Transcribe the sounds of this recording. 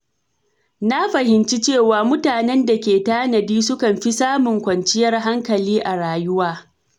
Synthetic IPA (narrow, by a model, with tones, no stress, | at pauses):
na˦ɸɐ˨ɦɪ˨nt͡ʃi˦t͡ʃeː˦˨waː˨mʊ˦taː˨nɛ˦nda˨kʲeː˨taː˦nɐ˨diː˦sʊ˦kɐ˨mɸi˦saː˦mʊ˨ŋkʷɐ˨nt͡ʃɪ˦jɐ˦rɦa˦ŋkɐ˨liː˦ʔa˨ɽaː˨jʊ˦waː˦